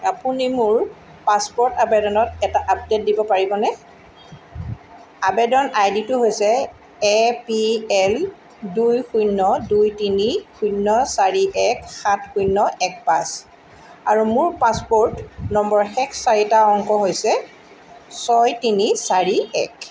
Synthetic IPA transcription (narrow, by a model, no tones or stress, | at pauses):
apunimʊɹ | paspɔɹtabɛdɔnɔtɛtaʔap̚det̚dibɔpaɹibɔnɛ | abɛdɔnajditʊɦojsɛ | ɛpiɛl | dujxujnːɔdujtinixujnːɔsaɹiʔɛkxatxujnːɔʔɛk̚pas | aɹumʊɹpaspɔɹtnɔmbɔɹxɛkʰsaɹitaɔŋkɔɦojsɛ | sɔjtinisaɹiɛk